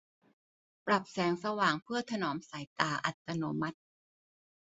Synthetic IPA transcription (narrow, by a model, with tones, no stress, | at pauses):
pɾa˨˩p̚sɛː˩˦ŋsa˧waː˨˩ŋpʰɯ˥˩ɐt̪ʰa˧nɔː˩˦msaː˨˩˦jt̪aː˨˩ʔa̰˨˩t̪ːa˧noː˨˦ma˦˥t̪̚